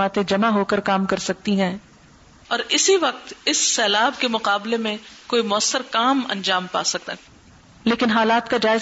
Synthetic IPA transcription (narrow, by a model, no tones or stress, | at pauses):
aːt̪ẽd͡ʒɐmaɦoːkəɾkaːmkɐɾsɐk̚t̪iɦɛ̃ː | ɔːɾɪsiʋɐq̚t̪ɪsːɛːlaːb̚kemʊqaːblemẽkoːimʊəsːəɾkaːmɐ̰̃nd͡ʒaːmpa̰ːsɐk̚t̪a | leːkɪnɦaːlaːt̪kad͡ʒaːɪz